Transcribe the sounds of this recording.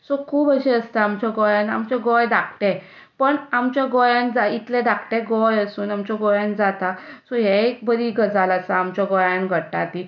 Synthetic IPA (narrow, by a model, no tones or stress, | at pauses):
sɔkʰuːbəɕɛəst̪aːmt͡ɕjaɡɔjãna̰mt͡ɕaɡɔjd̪ak̚ʰt̪ɛ̃ | pəɳamt͡ɕjaɡɔjãnd͡zait̪lɛ̃d̪akʰʈ̪ɛ̃ɡɔjəsuːnamt͡ɕaɡɔjãnd͡zat̪asɔɦɛek̚bəɾiɡəd͡zalasaːmt͡ɕaɡɔjãnɡʱəʈːa̰t̪i